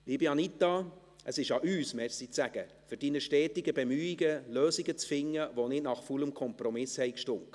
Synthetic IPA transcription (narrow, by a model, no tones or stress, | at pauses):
liːbiɑnitːɑ | ʔəsɪʃɑʔyːsmɛsit͡sæɡ̥ə | fʏɾd̥inəʃtɛːtɪɡəbemyːiɡəløːsiɡət͡sfɪŋːəʋonɪtnɑχfuləmkʰɔmprɔmɪshɛɪkʃtʊŋk